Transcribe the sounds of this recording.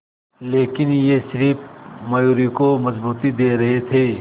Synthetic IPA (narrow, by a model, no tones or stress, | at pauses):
leːkɪnjeʃɪɾiːpmɐjuːɾikomɐzbuːt̪id̪eːɾɐɦet̪ʰeː